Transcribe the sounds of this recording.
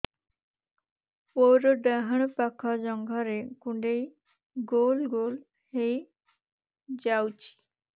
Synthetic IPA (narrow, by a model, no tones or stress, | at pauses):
oɾɖaɦəɳ̃pakʰad͡ʑɔŋɡʱaɾekuɳɖej | ɡolɡol | hej | d͡ʑawt͡ɕi̥